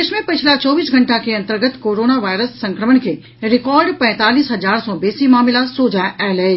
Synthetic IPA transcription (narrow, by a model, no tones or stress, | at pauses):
eːʃmẽpɪt͡ʃʰlat͡ʃɔːbiːsɡʱɐ̃ɳʈakeɐ̃nt̪əɾɡət̪koːɾoːnaʋaːɪɾəsːɐ̃ŋkɾəmənke | ɾɪkɔːɾɖpɛ̃ːt̪aːliːsɦɐzaːɾsɔbeːsimaːmɪlasoːd͡ʒaɛːleː